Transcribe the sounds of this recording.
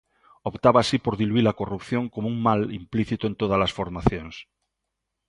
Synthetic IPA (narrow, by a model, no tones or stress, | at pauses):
opt̪aβaːsipo̞ɾðiluilakorupθjoŋkomouŋmalimpliθit̪oent̪oð̞alasfo̞ɾmaθjons